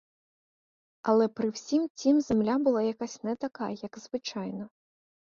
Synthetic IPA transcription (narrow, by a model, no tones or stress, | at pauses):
ɐlʲˠɛpɾɨwsʲimt͡sʲimzʲɛmlʲabɨlˠajakasʲtʲnɛt̪akajɐjɐɡzvɨt͡ʂajnɐ